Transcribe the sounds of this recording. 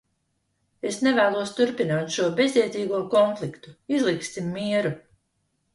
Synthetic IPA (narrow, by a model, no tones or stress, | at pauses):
esnevæːlˠuɔst̪uɾpinaːt̪ʃuɔbe̞zd̪ʲiɛt̪ʲiːɡuɔkɔnflˠikt̪uizlˠiksimːiɛɾu